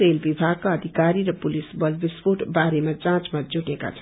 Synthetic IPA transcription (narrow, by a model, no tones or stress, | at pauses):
ɾelbibʱaɡ̚kaːd̪ʱikaɾiɾʌpulisbʌlbispoʈbaɾemad͡zãt͡smad͡zuʈeka̰t͡sʰʌn